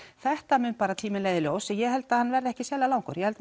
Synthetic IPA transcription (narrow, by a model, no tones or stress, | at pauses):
θɛht̪amʏn̚paːɾat̪ʰiːmɪnleːjðɪlowsɛjɛhɛlt̪ahanːvɛɾðɛhcɪsjɛːlalaːwŋkʏ̰ɾjɛhɛlt̪